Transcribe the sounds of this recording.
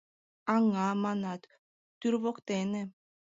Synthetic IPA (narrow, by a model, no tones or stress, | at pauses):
ɑŋːɑmɑnɑt̪ː | yɾβokt̪enĕ